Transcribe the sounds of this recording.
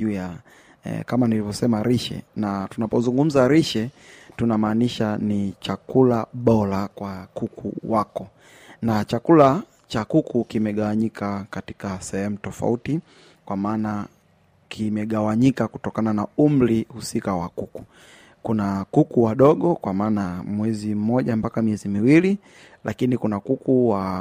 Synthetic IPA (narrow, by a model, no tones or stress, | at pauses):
ʄuːja̰ | kamanilivɔsɛmaɾiʃɛ̰natunapɔzuŋɡum̩zaɾiʃɛtunamaːniʃanit͡ʃakulaɓɔɾakwakukʰṵwakɔ | nat͡ʃakula | t͡ʃakukukimɛɠawaɲikʰakati̥kasɛhɛmutɔfa̰uti | kwamaːna | kʰimɛɠawaɲikaku̥tɔkananaumbɾihusikawakuku̥ | kunakukuwaɗɔɠɔkwamaːnamwɛzim̩mɔʄampakamiɛzimiwili | lʔa̰kinikunakukuwa